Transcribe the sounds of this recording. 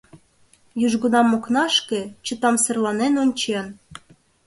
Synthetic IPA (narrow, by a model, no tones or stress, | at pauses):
jyʒɣunɑmːoknɑʃkĕt͡ɕə̆t̪ɑmsĕrlɑnenonʲt͡ɕen